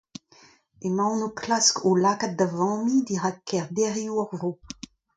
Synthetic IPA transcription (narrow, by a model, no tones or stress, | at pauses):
emawnokʰlaskolakat̪̚d̪avɑ̃mid̪iʁakːɛʁd̪ɛʁjuɔʁvʁo